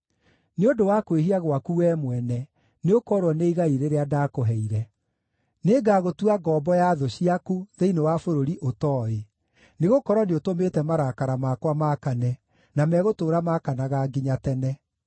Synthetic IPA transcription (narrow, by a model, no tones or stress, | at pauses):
neondowakweɦiaɣwakuwɛːmwɛnɛ | neokɔɾwɔneiɣaiɾeɾeadakoɦɛiɾɛ | neɡaːɣotuaɡɔːbɔjaðoɕiakuðeinewafoɾoɾiʔotɔːe | neɣokɔɾwɔneotometɛmaɾakaɾamakwamakanɛ | namɛɣotoːɾamakanaɣaɡiɲatɛnɛ